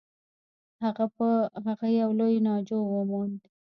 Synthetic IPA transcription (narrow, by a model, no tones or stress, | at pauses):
haɣapəɦaɣajawlojnɑd͡ʒowəmɑnd̪i